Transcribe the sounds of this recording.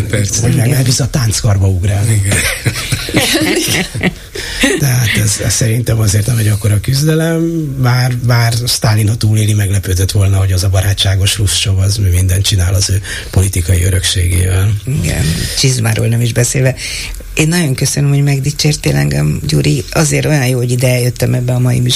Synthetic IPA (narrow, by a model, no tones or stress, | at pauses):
pɛɛɛlvizɒt̪aːnt̪skɒrbɒuɡɾaːlniɡɛn | t̪ɛɦat̪ɛzɛ̰ssɛɾint̪ɛmɒzeːrt̪nɛmɛɟɒkːoɾɒkyzd̪ɛlɛmːaːrmaːrst̪aːlːinhɒt̪uːleːlimɛɡlɛpøːd̪øt̪ʋo̞lnɒho̞ɟɒzɒbɒɾaːt͡ʃt͡ʃːaːɡoʃrust͡ʃo̞bɒzmimind̪ɛnt̪t͡ʃinaːlɒzøː | po̞lit̪ikɒjiøɾø̞kʃeːɡḛːvɛliɡɛ̰nt͡ʃizmaːɾo̰ːlnɛmiʒbɛseːlvɛ | eːnːɒɟo̞ŋkøsønømho̞ɟmɛɡd̪it͡ʃeːrt̪eːlɛŋɡɛmɟuːɾiɒzeːrɾt̪o̞jɒnjoːhoɟid̪ɛɛjøt̪ːɛmɛbːɛɒmɒjḭmyʃ